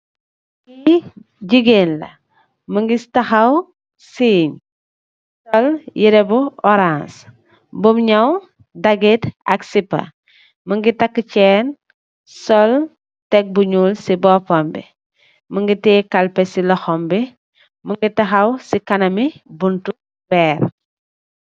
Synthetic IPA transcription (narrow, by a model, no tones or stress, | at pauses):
i | ɟiɡeːnlɐ̰ | məŋɡitɐxɐw | siːɲ | sɔljiɾɛbuɔɾãns | bumɲɐw | dɐɡitɐ̰ksipːɐ̰ | məŋɡitɐkːət͡ʃɛːn | sɔl | tɛk̚buɲulsibɔpɔmbḭ | məŋɡitɛːkɐlpɛsilɐxɔmbi | məŋɡitɐxɐwsikɐnɐmibuntu | bɛːɾ